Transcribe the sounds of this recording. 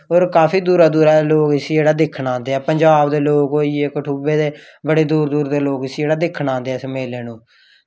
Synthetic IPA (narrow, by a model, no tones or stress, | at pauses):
ɦoːɾkaːpʰiːd̪uːɾaːd̪uːɾaːloːkɪsd͡ʒeːɽaːd̪ɪkʰɳãːnd̪eːɛːpəɲd͡ʒaːbd̪eːloːkɡoiekəʈʰuːbeːd̪eː | bəɽeːd̪uːɾd̪uːɾd̪eːloːkɪseːɽaːd̪ɪkʰnãːnd̪eːɛːsəmeːleːnũː